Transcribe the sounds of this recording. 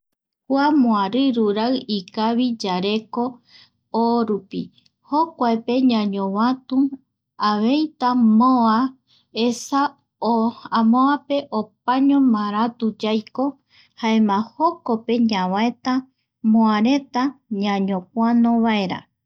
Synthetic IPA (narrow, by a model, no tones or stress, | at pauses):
kwamõaɾɨɾuɾaɨikaβid͡ʒaɾe̞ko̞ | oɾupi | hokʷaepe̞ɲãɲõwãt̪u | aβe̞jt̪amoa | esa | oamõape̞ʔop̚aɲõmãɾat̪ud͡ʒajko̞ | haemãhokope̞ɲãwaet̪a | mõaɾe̞t̪aɲãɲõp̚ʷanõβaeɾa̰